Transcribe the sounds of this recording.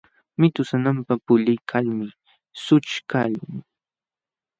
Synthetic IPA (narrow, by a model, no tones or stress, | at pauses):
mɪt̪ʊsanampapʊʎɪjkʰalmɪ | sʊt͡ʃkaʎʊŋ